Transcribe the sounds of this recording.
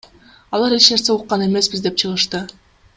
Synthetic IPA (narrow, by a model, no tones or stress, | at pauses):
ɑlˠɑɾe̞t͡ʃne̞ɾse̞uqːɑne̞me̞sbizd̪e̞p̚t͡ʃʰɯʁɯʃt̪ɯ